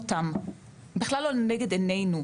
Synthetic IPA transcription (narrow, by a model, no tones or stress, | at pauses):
t̪am | biχlalːoneɡed̪enejnu